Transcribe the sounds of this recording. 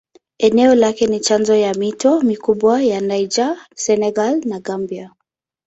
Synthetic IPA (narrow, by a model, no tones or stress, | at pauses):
ɛnɛɔlakɛnit͡ʃanzɔjamitɔmikuɓwajanajd͡ʒasɛnɛɡalnaɡambia